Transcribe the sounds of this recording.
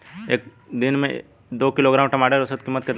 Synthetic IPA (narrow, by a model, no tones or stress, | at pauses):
eːk̚ | d̪ɪnmḛ̃ | d̪oːkɪloːɡɾaːmʈɐmaːɖəɾʊsət̪kɪmːət̪ket̪